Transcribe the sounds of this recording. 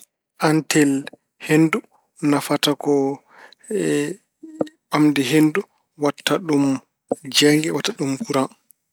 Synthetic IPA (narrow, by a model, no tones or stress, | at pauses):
ʔantɛl | hendu | nafatakɔ | amdɛɦendu | watːaɗum | d͡ʒɛŋɡɛwatːaɗumkuɾan